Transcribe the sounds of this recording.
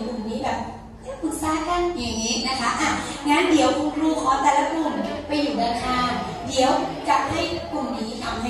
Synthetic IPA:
kʰu˨˩niː˦˥bɛː˨˩p̚ | naː˧˥pʰɯ˨˩t̪̚saː˧˥ka˧˨nja˨˩ŋːiː˦˥na˦˥kʰa˦˥ʔa˧˩ŋaː˦˥ndi˨˩˦wkʰo˧ŋkluː˧˩kʰɔː˨˦t̪ɛː˧˩la˧kʰu˧˩npa˧jːuː˨˩naː˧k̪ʰaː˧˩ŋ | di˩˦əwt͡ɕa˨˩p̚ha˥˩jku˨˩mniː˨˦t̪ʰa˧˩wmha˦

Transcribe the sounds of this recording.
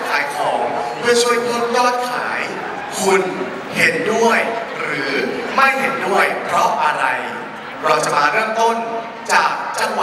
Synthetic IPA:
kʰaː˩˦jkʰɔː˩˦ŋpʰɯ˥˩ɐt͡ɕʰu˥˩əjkʰo˦˥t̚jɔː˥˩t̪̚kʰaː˩˦j | kʰu˧n | he˨˩˦ndu˥˩əjɾɯː˩˦ma˥˩jɦe˨˩˦ndu˥˩əjpʰɾɔ˦˥ʔa˧ɾa˧j | ɾɔː˧t͡ɕa˧˩paː˧ɾɯ˥˩əŋt̪o˥˩n | t͡ɕaː˨˩k̚t͡ɕa˥˩ŋwa˨

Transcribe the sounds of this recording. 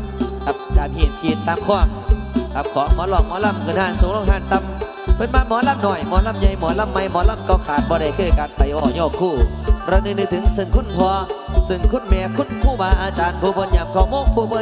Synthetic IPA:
ta˨˧˩p̚t͡ɕaː˨˩mhi˧˩ənkʰi˧˩ənt̪aː˧˥mkʰɔː˧˩˨ŋt̪aː˨˩m̚kʰɔː˨˦ŋmɔː˨˦lɔ˧˩ŋ̚mɔː˨˧˦la˧˩˨mŋɨ˧˩nhaː˧˩˨nso˨˧˦lo˧ŋɦaː˧˥˨nt̪a˧˩m̚ | pʰəː˧˨nmaː˧˥˨mɔː˨˦laː˧˩mnɔː˧˩jmɔː˨˦la˧˩˨mɲa˧jmɔ˨˦la˧˩mːa˧jmɔ˨˧˦la˧˩˨mkɔː˧˩kʰaː˨˦nbɔː˧˩ɗa˧˩kəː˧˩jkaː˨˥nt̪a˨˩jʔɔː˧˩ɲɔː˧˩kʰuː˧˩ɾaː˧nɨ˧˩nɨ˧˩t̪ʰɯ˧˦ŋsɨ˧˩ŋkʰo˧˥˨npʰɔ˧əsɨ˧˩ŋkʰo˧˥˨nmɛ˧˥kʰu˧˥˨nkʰuː˧˩baː˧˩ʔaː˧t͡ɕaː˧npo˧˦pəː˧˥nɲa˨˧˩mkɔː˧˩mo˧˥˨ŋpʰo˧pəː˧

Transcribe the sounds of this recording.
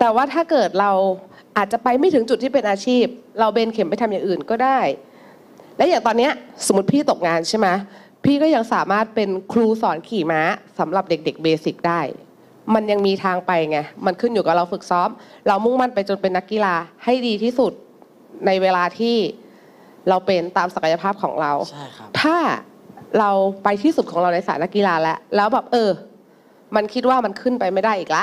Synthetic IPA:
t̪ɛː˨˩waː˥˩t̪ʰaː˥˩kɤː˨˩t̪̚ɾa˧w | ʔaː˨˩t̪̚t͡ɕa˨˩pa˧jma˥˩jt̪ʰɯ˩˦ŋt͡ɕu˨˩t̪ʰːiː˥˩pe˧nʔaː˧t͡ɕʰiː˥˩p̚ɾa˧wbeː˧nkʰe˩˦mpa˧jt̪ʰa˧mja˨˩ŋʔɯː˨˩nkɔː˥˩daː˥˩j | lɛː˦˥jaː˨˩ŋt̪ɔː˧nːi˦˥ɐso˩˦mːu˦˥t̪̚pʰiː˥˩t̪o˨˩k̚ŋaː˧nt͡ɕʰa˥˩jma˦˥ | pʰiː˥˩kɔː˥˩ja˧ŋsaː˨˩˦maː˥˩t̪̚pe˧nkʰluː˧sɔː˩˦nkʰiː˨˩maː˦˥sa˩˦mɾa˨˩p̚de˨˩k̚de˨˩k̚beː˧si˨˩k̚daː˥˩j | ma˧nja˧ŋmiː˧t̪ʰaː˧ŋpa˧jŋa˧˩ma˧nkʰɯ˥˩njuː˨˩ka˨˩ɾa˧wfɯ˨˩k̚sɔː˦˥mɾa˧wmu˥˩ŋma˥˨npa˧jt͡ɕo˧npe˧nːa˦˥kːi˧laː˧ha˥˩jdiː˧t̪ʰiː˥˩su˨˩t̪̚ | na˧jweː˧laː˧t̪ʰiː˥˩ | ɾa˧wpe˧nt̪aː˧msa˧ka˧ja˧pʰaː˥˩p̚kʰɔ̰ː˩˦ŋɾa˧wt̪ʰaː˥˩ | ɾa˧wpa˧jt̪ʰiː˥˩su˨˩t̪̚kʰɔː˩˦ŋɾa˧wna˧jsaː˨˩˦na˦˥kːi˧˨laː˧lɛ˦˥ʔlɛː˦˥wbɛː˨˩p̚ʔɤː˧ | ma˧nkʰi˦˥t̪̚waː˥˩ma˧nkʰɯ˥˩npa˧jma˥˩jdaː˥˩jʔiː˨˩la˧˦˥ʔ

